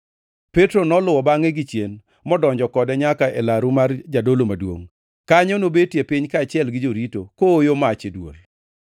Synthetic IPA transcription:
pɛtɾonɔlʊwɔbaŋeɡɪt͡ʃen | mɔdɔɲd͡ʒɔkɔdɛɲakaelaɾumard͡ʒadolomadwo̰ŋ | kaɲɔnobetjepɪɲkaːt͡ʃɪɛlɡɪd͡ʒoɾitokoːjomat͡ʃedwo̰ɾe

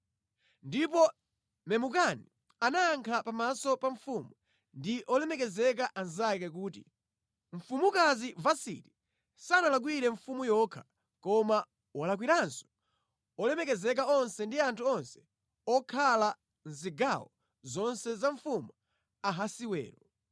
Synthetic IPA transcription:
ndipɔ | mɛmukani | anaːŋkʰapamasɔpaɱfumu | ndiʔɔlɛmɛkɛzɛk̬aʔanzak̬ɛk̬uːtḭ | ɱ̩fumukazivasḭti | sanalak̬wiɾɛɱfumujɔːkʰḁ | kɔma | wɔlak̬wiɾansɔ̥ | ɔlɛmɛkɛzɛk̬aɔnsɛndiantʰuɔnsɛ̥ | ɔkʰala | n̩ziɡawɔ | zɔnsɛzaɱfumu | aɦasiwɛ̰ːɾɔ

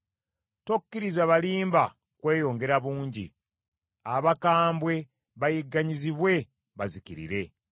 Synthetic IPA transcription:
tokːiɾizaβaliːmba | kwe̞ːjo̞ːŋɡe̞ɾaβuːɲɟḭ | aβakaːmbwe̞ | βajiɡːaɲiziβwe̞ | βazikiɾḭɾe̞

